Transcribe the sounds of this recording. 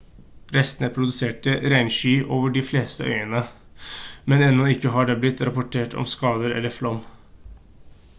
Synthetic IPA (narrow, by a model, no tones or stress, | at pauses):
ɾɛst̪ənəpʰɾʊd̪ʉseːʈəɾæɪnʃyːʔoːʋəɖɪfleːst̪ə̰ʔœ̰ʏənə | mɛnɛnːɔɪkːəɦɑɖɛblɪt̪ːɾɑpʊʈʰeːʈɔ̰mskɑːd̪əɾɛ̰lːəɾflɔm